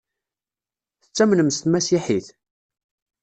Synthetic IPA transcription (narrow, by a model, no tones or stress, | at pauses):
θət͡sːæmnəmst̪mæsiħiθ